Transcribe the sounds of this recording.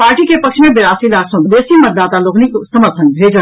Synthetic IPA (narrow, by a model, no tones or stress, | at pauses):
paːɾʈikepɐkʃmẽbɪɾaːsilaːksõd̪eːsimɐt̪̚d̪aːt̪aloːkniksɐməɾt̪ʰə̃nbʱeːd͡ʒə